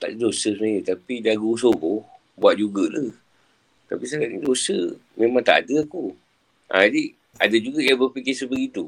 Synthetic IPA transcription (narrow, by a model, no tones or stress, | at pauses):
t̪a̰ʔdidosəsəmajət̪apidaɡusoɡo | buat̪ʔ̚d͡ʒuɡəʔlə | t̪apisakaʔ̪̚nidosəmẽmaŋt̪a̰ʔadəaku | ʔa̰adi | adad͡ʒuɡəʔjabərpikisəbəɡit̪u